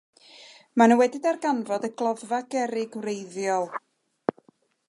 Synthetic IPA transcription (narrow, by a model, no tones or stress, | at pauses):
manəwɛdɪdarɡanvɔdəɡlˠɔðvaɡɛɾɪɡwrejðjɔlˠ